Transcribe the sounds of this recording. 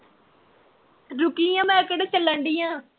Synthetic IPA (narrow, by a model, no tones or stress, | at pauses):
ɾʊkijãːmɛ̃ːkəɽt͡ʃələɳɖiːjãː